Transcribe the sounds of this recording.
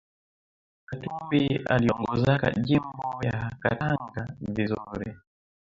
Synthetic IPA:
katimbia̰liɔŋɡɔzaka̰ʄimbɔjakataŋɡavizuɾɛ

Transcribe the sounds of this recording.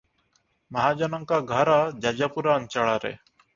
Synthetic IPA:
məɦaːd͡ʒənəŋkaːɡʱəɾaːd͡ʒaːd͡ʒaːpuɾaːənt͡ʃaɭaːɾḛː

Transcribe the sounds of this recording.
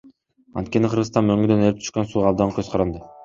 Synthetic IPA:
ɑ̰nt̪̚kʲe̞nɪqʰəɾʁɯst̪ɑnmøŋɡyd̪ønelɪp̚t̪ʰy̥ʃqɑnsuːʁɑːbd̪ɑɴkʰøzqʰɑɾɑnd̪ɤ

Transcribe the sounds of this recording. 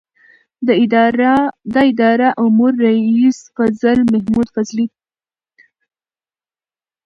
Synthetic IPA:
d̪ɑɪd̪ɑɾaʔʊmuɾːaisfazəlmahmud̪fazli

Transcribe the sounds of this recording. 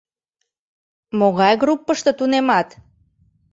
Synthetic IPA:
moɣɑjɣɾupːəʃt̪ə̆t̪unemɑt̪

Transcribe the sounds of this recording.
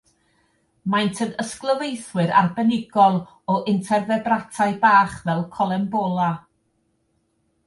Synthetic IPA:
majntʰənəsklˠəvejθwɨɾa̰rbənɪɡɔlˠ | ɔʔɪntʰɛrðɛbratʰajbaːχvɛlˠkʰɔlˠɛmbɔlˠa

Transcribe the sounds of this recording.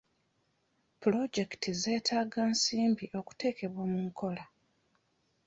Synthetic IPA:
pulo̞ɟe̞ktize̞ːtʰaːɡaːnsiːmbiʔo̞ku̥te̞ːke̞βwoːmuŋkʰo̞la

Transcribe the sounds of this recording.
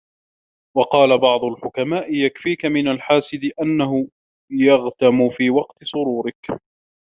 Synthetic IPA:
wɑqɑːlabɑʕd̪ˤʊlħʊkamaːʔɪjakfiːkamɪnalħaːsɪd̪ɪʔanːaɦʊ | jɑɣt̪amʊfiːwɑqt̪ɪsˤʊɾuːɾɪk

